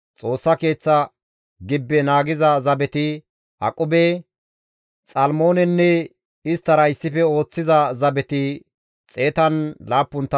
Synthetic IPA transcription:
t͡sʼo̞ːsːɐke̞ːt͡sːɐ | ɡɪbːɛnaːɡɪzɐzɐbɛt̪ɪ | hɐ̰kʼʊbɛ | t͡sʼɐlmo̞ːnɛnːɛ | ɪst̪ːɐɾɐɪsːɪfɛo̞ːt͡sːɪzɐzɐbɛt̪ɪ | t͡sʼe̞ːt̪ɐnlaːpːʊnt̪ːɐ

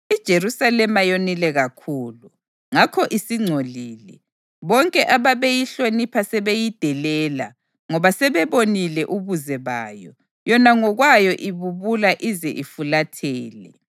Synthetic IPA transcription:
id̥ʒ̥ʱeɾusalɛmajonilɛɣakʰuːlu | ŋakʰɔʔisiŋ͡ǀʱoliːlɛ | βɔŋkʼɛʔaβaβejiɬonipʰasɛβejid̥ʱɛlɛːla | ŋɔβasɛβɛβonilɛʔuβuzɛβa̰ːjɔ̰ | jɔnaŋɔɣwajɔʔiβuβulaʔizɛʔifulatʰɛːlɛ

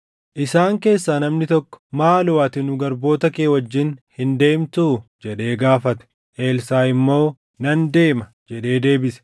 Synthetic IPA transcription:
ʔɪsaːŋke̞ːsːaːnɐmnɪt̪ɔkːɔ̥maːlʊwaːt̪ɪnʊɡɐɾbo̞ːt̪ɐkeːwɐd͡ʒːɪnhɪnd̪e̞ːmt̪uːd͡ʒɛᶑe̞ːɡaːfɐt̪ɛ̥ | ʔe̞ːlsaːɪmːo̞ː | nɐnd̪e̞ːmɐ | d͡ʒɛᶑe̞ːd̪e̞ːbɪsɛ̥

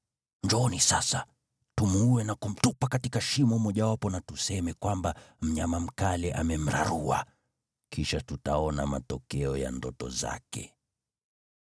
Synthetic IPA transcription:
ɲd͡ʒɔɔnisasa | tumuuɛnakum̩tupakatikaʃimɔmɔʄawapɔnatusɛmɛkwambam̩ɲamam̩kalɛʔa̰mɛm̩ɾa̰ɾua̰ | kʰiʃatutaɔna̰ma̰tɔkɛɔja̰ndɔtɔ̰za̰kɛ̰

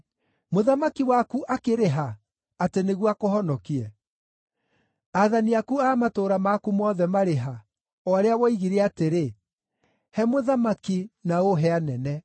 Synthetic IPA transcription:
moðamakiwakuʔakeɾeɦa | ateneɣwakohɔnɔkiɛ | aðaniakuaːmatoːɾamakumɔðɛmaɾeɦa | ɔaɾeawɔiɣiɾɛateɾe | hɛmoðamakinaoɦɛanɛnɛ

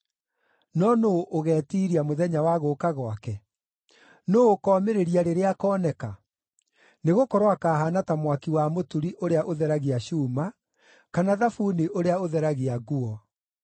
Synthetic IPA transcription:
nɔnoʔoɣɛːtiːɾiamoðɛɲawaɣokaɣwakɛ | noːkɔːmeɾeɾiaɾeɾeakɔːnɛka | neɣokɔɾwakaːɦanatamwakiwamotuɾiʔoɾeaʔoðɛɾaɣiaɕuːma | kanaðafuːniʔoɾeaoðɛɾaɣiaɡuɔ

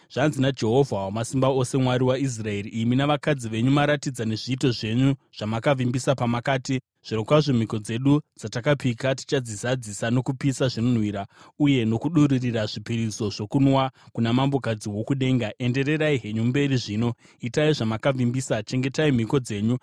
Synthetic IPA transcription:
ʐ̥anzinad͡ʒe̞ɦo̞vʱawamasimbao̞se̞mwaɾiwais̬rae̞ɾiʔːminaʋakad͡ziʋe̞ɲumaɾatid͡zane̞ʐiːto̞ʐe̞ɲuʐ̥amakavimbisapamakaːti | ʐ̥iɾokwaʐo̞m̤iko̞d͡ze̞ɗud͡zatakapikati̥t͡ʃad͡zisad͡zisano̞kupisaʐino̞n̤wiɾauje̞no̞kuɗuririraʐipiɾizo̞ʐo̞kunwakunamambo̞kad͡ziwo̞kuɗe̞ːŋɡaʔe̞nde̞re̞raiɦe̞ɲumbe̞riʐiːno̞ | itaiʐamakavimbisat͡ʃe̞ŋɡe̞taim̤iko̞d͡ze̞ːɲu

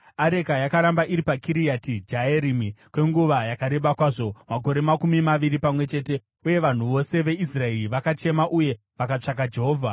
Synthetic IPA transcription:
aɾe̞kajakaɾambaʔiɾipakiɾijatid͡ʒaeɾimikwe̞ŋɡuʋajakaɾe̞ɓakwaːʐo̞mako̞ɾe̞makumimaʋiɾipamwe̞t͡ʃe̞ːte̞ | uje̞ʋan̤uʋo̞se̞ʋe̞ʔisrae̞riʋakat͡ʃe̞maʔuje̞ | ʋakat͡ʂak̬ad͡ʒe̞ɦo̞ːvʱa

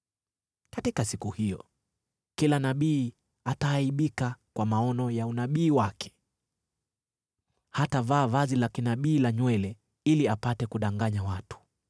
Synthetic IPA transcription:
katikasikuhijɔ̰ | kilanaɓiː | atahaiɓikakwamaɔnɔjaunaɓiːwakʰɛ̥ | hatavaːvazilakinaɓiːlaɲwɛlɛ | iliapatɛkuɗaŋɡaɲawatu̥

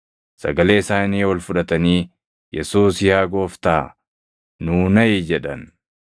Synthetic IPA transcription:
sɐ̰ɡɐle̞ːɪsaːniːwɔlfʊᶑɐt̪ɐniː | jɛsuːsjaːɡo̞ːft̪aː | nuːnɐjɪd͡ʒɛᶑɐn

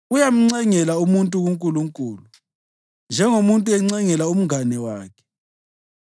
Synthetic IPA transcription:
ujam̩ŋ͡ǀɛŋɛlaumuntʼuɣuŋkʼuluŋkʼuːlu | nd͡ʒʱɛŋomuntʼuɛŋ͡ǀɛŋɛlaum̩ŋanɛwaːkʰɛ̥

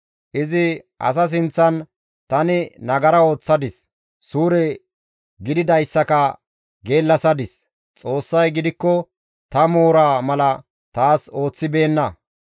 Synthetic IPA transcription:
ʔɪzɪʔɐ̰s̬ɐs̬ɪnt͡sːɐn | t̪ɐnɪnɐɡɐɾɐo̞ːt͡sːɐd̪ɪs | suːɾɛ | ɡɪd̪ɪd̪ɐjsːɐkɐ | ɡe̞ːlːɐsɐd̪ɪs | t͡sʼo̞ːsːɐjɡɪd̪ɪkːɔ | t̪ɐmo̞ːɾaːmɐlɐ | t̪aːso̞ːt͡sːɪbe̞ːnːɐ

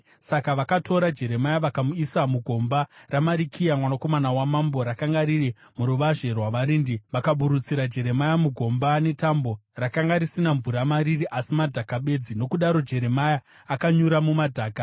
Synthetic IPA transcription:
sakaʋakatʰo̞ɾad͡ʒe̞ɾe̞majaʋakamuisamuɡʱo̞mbaramaɾikʰijamwanako̞manawamambo̞ɾakaŋɡaɾiri | muɾuʋaʐe̞rwaʋaɾiːndiʋakaɓuɾut͡siɾad͡ʒe̞ɾe̞majamuɡʱo̞mbane̞tambo̞rakaŋɡaɾisinaɱvuɾamaɾiriʔasimadʱakaɓe̞d͡zino̞kuɗaɾo̞d͡ʒe̞ɾe̞majaː | kaɲuɾamumadʱaːka

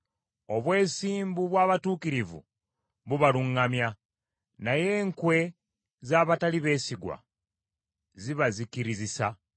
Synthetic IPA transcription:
o̞βwe̞ːsiːmbuβwaːβatuːkiɾivṵ | βuβaluŋːamja | naje̞ːŋkwe̞ | zaːβataliβe̞ːsiɡwa̰ | ziβazikiɾizisa

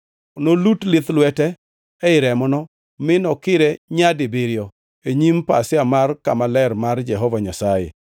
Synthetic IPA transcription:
nolutlɪt̪lwɛtɛː | ɪɾɛmɔnɔ | mɪnɔkɪɾɛɲadɪbiɾjɔ | eɲimpasɪamarkamalɛrmard͡ʒɛɦɔvaɲasajḛ

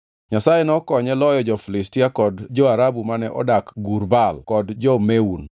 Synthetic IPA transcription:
ɲasajenɔkɔɲɛlɔjɔd͡ʒɔfilɪstiakɔdd͡ʒɔaɾabumanɛʔɔ̰dakɡuɾbalkɔdd͡ʒɔmeun

